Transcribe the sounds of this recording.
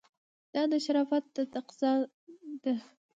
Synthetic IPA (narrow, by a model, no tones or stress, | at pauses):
d̪̥ɑd̪əʃaɾɑfat̪̚d̪ət̪aqzɑ | d̪ə